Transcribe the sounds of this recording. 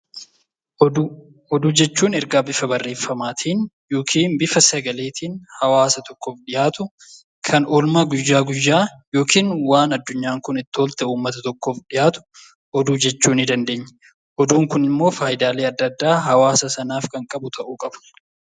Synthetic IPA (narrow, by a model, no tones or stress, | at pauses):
ɔd̪uːd͡ʒɛt͡ʃːuːnɛɾɡaːbɪfɐbɐrːe̞ːfːɐmaːt̪ʰiːn | jo̞ːkʰiːnbɪfɐsɐɡɐle̞ːt̪iːnhɐwaːsɐt̪ɔkːoːfɗɪjaːt̪ʊ | kʰɐnɔlmaːɡʊjːaːɡʊjːaːjo̞ːkʰiːnwaːnɐd̪ːʊɲːaːŋkʊnɪt̪ːɪɔlt̪ɛuːmːɐt̪ɐt̪ɔkːoːfɗɪjaːt̪ʊ̥ | ɔd̪uːd͡ʒɛt͡ʃːuːnɪd̪ɐnd̪e̞ːɲːɛ̥ | ʔɔd̪uːŋkʊnɪmːo̞ːfaːjɪd̪aːleːɐd̪ːɐd̪ːaːɦɐwaːsɐsɐnaːfkɐŋkʼɐbʊt̪ʰɐʔuːkʼɐbɐ̥